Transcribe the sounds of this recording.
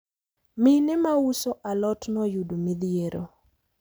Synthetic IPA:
mɪnɪmausoʔalɔtnɔjudomid̪ɪeɾo̰

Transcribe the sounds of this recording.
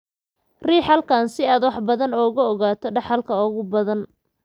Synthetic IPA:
riːħɐlkʰaːnsɪaːd̪wɑħbɐðɐnɔːɣʊɔɣaːt̪ʰɔɖɑħɐlkʰɐɔːɣʊbɐðɐn

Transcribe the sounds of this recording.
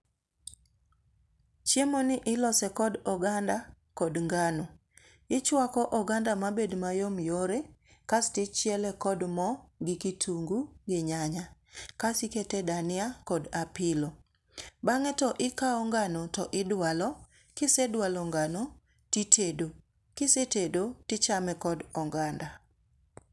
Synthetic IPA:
t͡ʃjemonɪʔɪlɔsɛkɔdɔɡanda | kɔdŋɡano | ɪt͡ʃwakɔʔɔɡandamabedmajomjoɾekastɪt͡ʃjɛlɛkɔdmɔɡɪkitʰuŋɡuɡɪɲaɲakasiketedanɪakɔdapɪlo | baŋɛtɔʔɪkaɔŋɡanotɔʔɪdwalɔ | kɪsedwalɔŋɡano | titʰedo | kɪsetedotɪt͡ʃamɛkɔdɔŋɡanda

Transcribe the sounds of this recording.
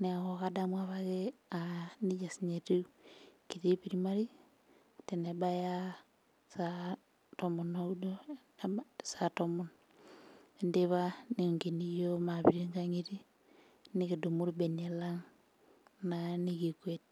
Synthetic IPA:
neaɣoɣadamwaβaɣe | aniɟasiɲetikiɾipiɾimaɾi | tenebaja | sa | tomonoudo | satomon | endeβaniŋɡenijomaβiɾiŋɡaŋiɾi | niɣidumuɾbenelaŋ | naniɣikwet

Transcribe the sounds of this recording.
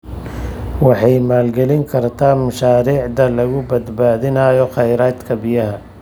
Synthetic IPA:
wɑħɑjmaːlɡɛlɪŋkʰɐrt̪ʰaːmɐʃaːɾiːʕd̪ɐlɐɣʊbɐd̪baːðɪnɐjɔχɑjɾaːd̪kʰɐbɪjɐɦɐ

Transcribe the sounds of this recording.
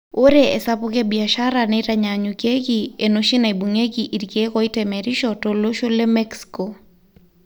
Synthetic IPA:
oɾeesapʊkebiaʃaɾanɛɾaɲaɲukekienoʃinaibuŋekiʔiɾkekɔitɛmɛɾiʃɔtoloʃolemɛksi̥ko

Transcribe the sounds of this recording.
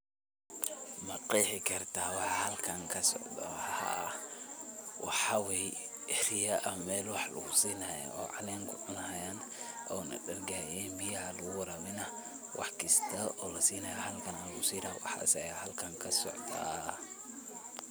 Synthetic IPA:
mɐqiːħɪkʰɐrt̪ʰaːwɑħɑhɐlkʰɐŋkʰɐsɔ̰ʕd̪ɐħha | wɑ̰ħɑwɛj | ɛɾɪjɐʔɐmɛːlwɑħlɐ̰ɣʊsiːnɐja̰ɔːʕɑlɛːŋkʰʊʊnaːjanʔɔ̰ːnɐ̰dɐrɡaːjɛːnbijɐhɐlɐɣʊwɐɾaːmɪnɐ | wʔɑ̰ħkɪst̪ʰɐʔɔːlɐsiːnɐjahɐlkʰɐnalɣʊsiːɾɐwɑ̰ħɐ̰sɛjahɐlkʰɐŋkʰɐsɔ̰ʕd̪ɐ̰

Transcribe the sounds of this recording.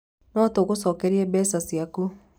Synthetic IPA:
nɔtoɣosɔkɛɾiɛbɛsasiaku

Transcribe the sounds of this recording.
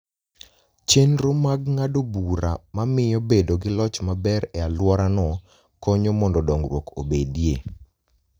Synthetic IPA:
t͡ʃenɾomaɡ̚ŋadobuɾamamɪjɔbedoɡɪlɔt͡ʃmabɛɾɛalwɔɾanɔ | kɔɲomɔndɔdɔŋrwokʰobedje

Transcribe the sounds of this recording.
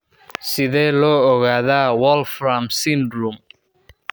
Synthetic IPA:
sɪðɛːlɔːɔɣaːðaːwɔlfɾamsɪndɾum

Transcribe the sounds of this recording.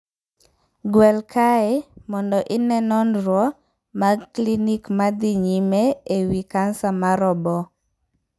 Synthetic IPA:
ɡwɛlkʰaemɔndɔʔɪnɛnɔnɾwɔ | maklinikmad̪iɲimeewikansamaɾɔbɔ

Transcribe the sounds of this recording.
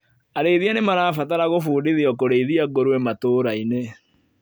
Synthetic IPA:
aɾeiðianemaɾaːfataɾaɣofuːdiðiɔk̬oɾeiðiaɡoɾwɛmatoːɾaine

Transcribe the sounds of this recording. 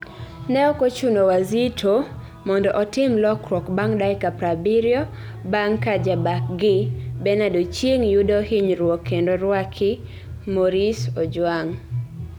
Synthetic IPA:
nɛɔkot͡ʃunowazitʰo | mɔndɔʔɔtɪmlɔkɾwɔkbaŋdajkapɾabiɾjɔ | baŋkad͡ʒabak̚ɡɪbɛnadot͡ʃjeŋjudɔhɪɲɾwɔkʰːendoɾwakʰɪ | moɾisɔd͡ʒwaŋ

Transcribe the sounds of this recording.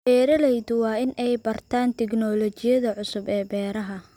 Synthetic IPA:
bɛːɾɐlɛjd̪ʊwɑːɪnɛjbɐrt̪ʰaːnt̪ʰɛɡnɔːlɔt͡ʃɪjɐðɐʕʊsʊbɛːbɛːɾɐɦɐ

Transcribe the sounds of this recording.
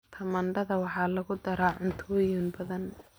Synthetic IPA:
t̪ʰɐmɐɳɖɐðɐwɑħɑːlɐɣʊd̪ɐɾaːʕʊnt̪ʰʊwjuːnbɐðɐn

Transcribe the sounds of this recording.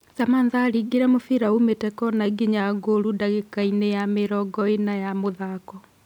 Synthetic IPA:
samanðaːɾiɡeɾɛmofiɾaumetɛkɔnaɡiɲaɡoɾudaɣekainejameɾɔɡɔenajamoðakɔ

